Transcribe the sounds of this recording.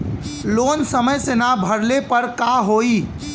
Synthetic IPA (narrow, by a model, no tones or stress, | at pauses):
loːnsəməjsenabʱəɽlepəɾkaɦoi